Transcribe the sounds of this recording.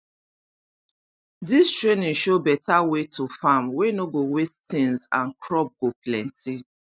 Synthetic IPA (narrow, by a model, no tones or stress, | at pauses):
distɹenɪ̃ŋʃobɛtawetʰufamwenoɡowestɪ̃nzã̰nkʰɾɔp̚ɡoplɛ̃ntʰi